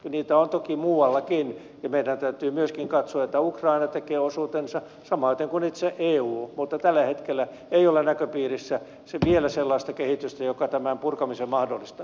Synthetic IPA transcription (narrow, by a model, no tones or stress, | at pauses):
niːt̪æont̪okimuːwɑlːɑkin | jɑmeidænt̪æyt̪yːmyøskiŋkɑt̪soɑet̪ːæukrɑinɑt̪ekeːosuːt̪ensɑ | sɑmɑːt̪eŋkunit̪seʔeːuːmut̪ːɑt̪ælːæhet̪kelːˑæ | eiolenækøpiːrisːæ | seʋielæselːɑist̪ɑkehit̪yst̪æjokɑt̪æmæmpurkɑmisemmɑhdolːist̪ɑ